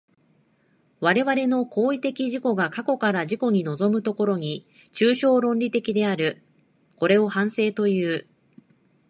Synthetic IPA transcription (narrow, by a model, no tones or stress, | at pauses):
βaɾe̞βaɾe̞no̞ko̞ːit̪e̞kʲiʑiko̞ɡakako̞kaɾaʑiko̞ɲ̟ino̞zo̞mɯ̟t̪o̞ko̞ɾo̞ɲ̟i | t͡ɕɨːɕo̞ːɾõ̞nʲɾʲit̪e̞kʲid̪e̞aɾɯ̟ | ko̞ɾe̞o̞hãɰ̃se̞ːt̪o̞jɯ̟ː